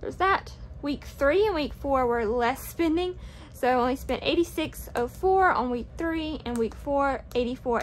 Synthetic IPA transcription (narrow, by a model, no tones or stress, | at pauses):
ðə̰˞zðətwikθɹiɨ̃nwikfɔɹwɪ˞lɛspɛ̃ndɪ̃ŋ | soʊaɪõʊ̃nlispɛ̃ndḛɪɾisɪksoʊfɔɹə̰̃nwik̚θɹiɨ̃nwikfɔɹʔeɪɾifɔɹ